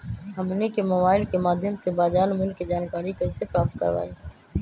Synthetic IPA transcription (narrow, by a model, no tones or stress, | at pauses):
ɦəmnekemʊʋaːɪlkemaːd̪ʱjəmsebaːd͡ʒaːnmʊlkːid͡ʒaːnkaːɾikesepɾaːp̚t̪̚kə̰ɾʋa̰ːiː